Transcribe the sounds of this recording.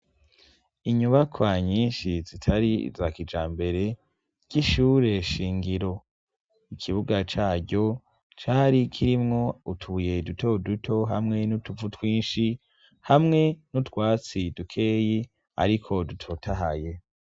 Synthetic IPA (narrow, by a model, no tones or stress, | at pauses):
iɲuβakʰwaɲiːnʃizitʰaɾḭzakid͡ʒaːmbe̞ɾe̞ | ɟ̥iʃuːɾe̞ʃiːŋɡiɾo̞ | ikʰiβuɡat͡ʃaːɟo̞ | t͡ʃaɾikʰiɾimŋo̞utʰuje̞dutʰo̞dutʰo̞ɦamŋe̞nutuvutwiːnʃi | hamŋe̞nutwaːt͡sidukʰe̞ːji | a̰ɾikʰo̞dutʰo̞tʰaɦaje̞